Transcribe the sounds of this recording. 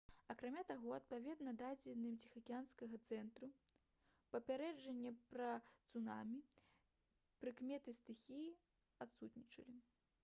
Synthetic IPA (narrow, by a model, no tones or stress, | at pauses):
ɐkɾamʲat̪aɣɔɐt̪̚pavʲɛd̪nɐd̪ad͡zʲɛd̪nːɨmt͡sʲixɐkʲanskɐɣɐt̪sɛnt̪ɾu | pɐpʲaɾɛd͡ʐɛnʲːɛpɾɐt̪sunamʲi | pɾɨkmʲɛt̪ɨst̪ɨxʲiji | at̪sut̪nʲit͡ʂɐlʲi